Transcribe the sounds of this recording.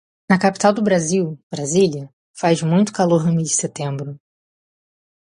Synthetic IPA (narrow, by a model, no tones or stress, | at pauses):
nɐkapi̥t̪awd̪ʊbɾaziwb̥ɾaziljɐ | fajzmũj̃t̪ʊ̥kaloɾnʊmid͡ʒɪset̪ẽmbɾʊ